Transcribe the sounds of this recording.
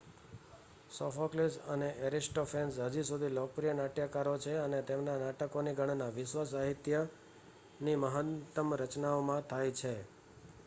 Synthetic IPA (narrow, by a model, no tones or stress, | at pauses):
sɔfoklisəneʔeɾisʈofensɦəd͡ʒisud̪ʱilok̚pɾijənaʈjakaɾot͡ʃʰeənet̪emnanaʈəkoniɡʱəɳ̃naʋɪʃʋas̬aɦit̪jə | niməɦət̪ːəmɾət͡ʃnaomãt̪ʰajt͡ʃʰe